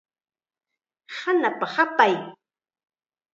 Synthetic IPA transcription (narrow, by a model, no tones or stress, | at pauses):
hanapahapaj